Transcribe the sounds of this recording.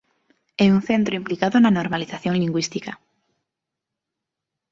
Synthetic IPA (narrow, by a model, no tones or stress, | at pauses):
ɛunθẽnt̪ɾoimplikaðonanoɾmaliθaθjoŋliŋɡwist̪ika